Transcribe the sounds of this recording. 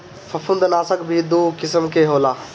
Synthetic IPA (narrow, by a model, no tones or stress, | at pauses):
fɐfʊnd̪naːsəkbʱid̪uːkɪsəmkʰeːɦoːlaː